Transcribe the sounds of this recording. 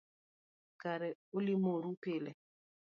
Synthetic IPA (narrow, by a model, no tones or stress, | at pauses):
kaɾɛolimoɾupɪlɛ